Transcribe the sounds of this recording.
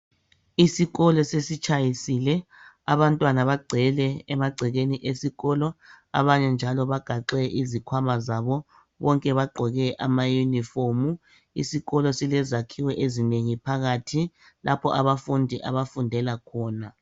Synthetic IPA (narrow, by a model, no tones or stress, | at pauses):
isiɣɔlɔsesit͡ʃʰʼajisilɛ | aβantʼwanaβaɡ͡ǀʱɛlɛɛmaɡ͡ǀʱɛɣeniʔesiɣɔːlɔ | a̰βaɲɛnd͡ʒʱalɔβaɡ̥ʱaǁɛʔizikʰwamazaβɔ | βɔŋkʼɛβaɡ͡ǃʱɔɣɛʔamajunifomu | ḭsiɣɔlɔsilɛzakʰiwɛʔezineŋipʰaɣatʰi | lʔapʰɔ̰ʔaβafundʱiʔa̰βafundʱɛlakʰɔːna